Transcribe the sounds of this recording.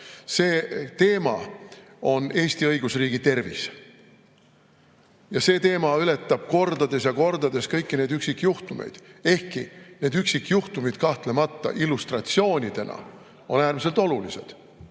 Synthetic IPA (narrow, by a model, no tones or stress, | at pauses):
se̞ːt̪e̞ːmɑ̰ | o̞ne̞ːsʲt̪iɤjɡ̥usriːɡ̥it̪e̞rvḭs | jɑse̞ːt̪e̞ːmɑyle̞t̪ːˑɑb̥̚ko̞rd̪ɑd̪̥e̞sjɑko̞rd̪̥ɑd̪e̞skɤjkːine̞ːd̪yksikːˑjuht̪umḛjd̪̥e̞hkine̞ːd̪yksikːjuht̪umid̪̥kɑht̪le̞mɑt̪ˑːɑ̰ʔilːust̪rɑt̪sio̞ːnʲid̪̥e̞nɑ̰ | o̞̰næːrmis̬elt̪ˑo̞lulise̞̰d̪̥